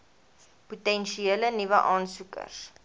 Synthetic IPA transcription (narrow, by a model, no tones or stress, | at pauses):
putɛnʃieːlənivəʔɑːnsukə̰s